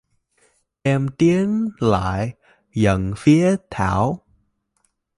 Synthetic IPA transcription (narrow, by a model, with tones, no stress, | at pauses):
ʔɛ˧mt̪i˨˦ənla̰ː˧˨j | zə̰˧˨nfi˨˦ət̪ʰa̰ː˧˩w